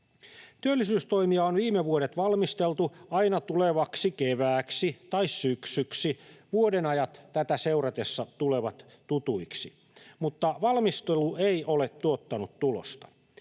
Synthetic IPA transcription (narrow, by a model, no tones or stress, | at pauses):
t̪yølːisyːst̪oimiɑonʋiːmeʋuoɾet̪ʋɑlmist̪elt̪uɑinɑt̪uleʋɑksikeʋæːksit̪ɑissyksyksiʋuodenɑjɑt̪tæt̪æseurɑt̪esːɑt̪uleʋɑt̪ | tut̪uiksi | mut̪ːɑʋɑlmist̪elueiʔolet̪tuot̪ːɑnut̪tulo̰st̪ɑ̥